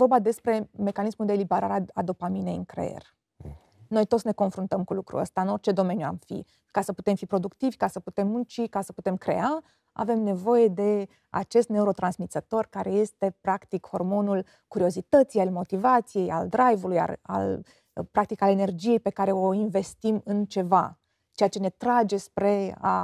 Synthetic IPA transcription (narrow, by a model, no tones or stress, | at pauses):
vo̞rbad̪e̞spɾe̞me̞kanismuld̪elibeɾa̰ɾeaad̪opaminejɨŋkɾḛḛrʲ | no̞jt̪ot̪sʲne̞ko̞nfɾunt̪əmkulukɾṵə̰st̪aɨno̞rt͡ʃe̞d̪o̞me̞njua̰mfḭ | kasəpu̥t̪e̞mfipɾo̞d̪ukt̪ivʲkasəput̪e̞mːunt͡ʃikasəput̪e̞mkɾe̞̰a | a̰ve̞mne̞vo̞je̞d̪e̞ | a̰t͡ʃe̞st̪ne̞uɾo̞t̪ɾansmit̪sət̪o̞rkaɾe̞je̞st̪e̞pɾakt̪ikho̞rmo̞nul | kuɾio̞zit̪ət̪sijalmo̞t̪ivat̪sije̞ja̰ld̪ɾajvuluja̰a̰l | pɾak̚t̪ikalene̞rd͡ʒije̞jpe̞kaɾe̞o̞inve̞st̪imɨnt͡ʃe̞va | t͡ʃe̞jat͡ʃe̞ne̞t̪ɾad͡ʒe̞spɾe̞a̰